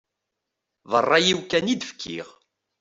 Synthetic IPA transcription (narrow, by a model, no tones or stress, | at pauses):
ðərˤːɑjiwkænid̪əfkʰːḭʁ